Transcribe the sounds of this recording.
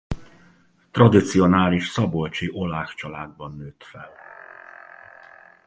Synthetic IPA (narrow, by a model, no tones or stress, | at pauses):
t̪rɒd̪it̪sio̞naːliʃsɒbo̞lt͡ʃiʔo̞laːft͡ʃɒlaːd̪̚bɒnːøːt̪fɛl